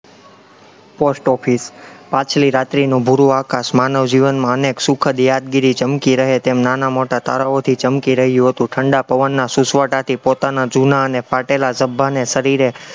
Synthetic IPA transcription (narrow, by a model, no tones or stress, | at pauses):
posʈɔfʰispat͡ʃʰliɾat̪ɾinũbʱuɾuakasmanəʋd͡ʒiʋənmãəneksukʰəd̪jad̪̚ɡiɾit͡ʃəmkiɾəɦet̪emnanamoʈat̪a̰ɾaot̪ʰit͡ʃəmkiɾəɦjũɦət̪ũʈʰəɳɖapəʋənːasusʋəʈat̪ʰipot̪anad͡ʒunaənefaʈelasəbʱːanesəɾiɾe